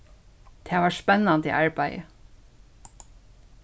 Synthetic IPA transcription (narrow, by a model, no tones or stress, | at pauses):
t̪ʰɛːʋɑːɹʂpɛnːɑnt̪ḭːʔɑɹbæɪə̰